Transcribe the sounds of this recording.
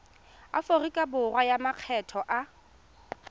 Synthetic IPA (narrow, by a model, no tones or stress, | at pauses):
a̰forikʼabʊrwajamaq͡χʰɛtʰɔʔa